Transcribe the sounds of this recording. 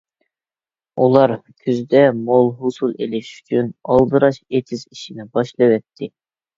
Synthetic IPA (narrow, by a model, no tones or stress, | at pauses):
ulˠɑɾkʲʰyzd̪ɛmolˠɦusulˠelɪʃy̥t͡ʃʰynɑlˠd̪ɨɾɑʃet̪ʰɪziʃinɪbɑʃlˠɨwɛt̪ʰːɪ